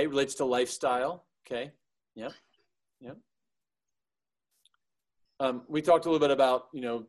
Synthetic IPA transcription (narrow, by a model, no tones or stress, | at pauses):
ɪɹɨleɪtstʰəlaɪfstaɪlˠoʊkʰeɪ | jɛp̚ | jɛp̚ | ʌ̃mwitʰɔk̚təlɪɾl̩ˠbɪɾɨbaʊt̚jɨnoʊ